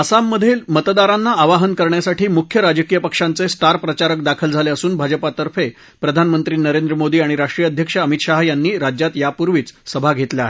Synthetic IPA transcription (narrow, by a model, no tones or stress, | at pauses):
əsamːəd̪ʱelmət̪d̪aɾanːaːʋaɦənkəɾɳjasaʈʰiːmukʰjəɾad͡ʑəkijəpəkʂant͡sesʈaɾpɾət͡ɕaɾək̚d̪akʰəld͡zʱaleəsuːnbʱad͡ʑəpat̪əɾfe | pɾəd̪ʱanmənt̪ɾiːnəɾend̪ɾəmod̪iːaɽ̃iɾaʂʈɾijəd̪ʱjəkʂəəmit̪ɕaɦjanːiːɾad͡ʑjat̪japuɾʋiːt͡ssəbʱaɡʱet̪leaɦe